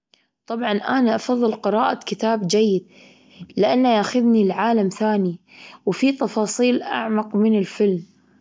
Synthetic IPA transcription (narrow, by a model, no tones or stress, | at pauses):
t̪ˤɑbʕɑnʔanaʔɑfɑðˤːɨlqɨɾɑːʔakɪt̪aːbd͡ʒajːɪd̪̚ | lɪʔanːajaːxaðnilʕaːlamθaːniwfit̪ɑfɑːsˤiːlʔa̰ʕmɑqmɪnɪlfɪlm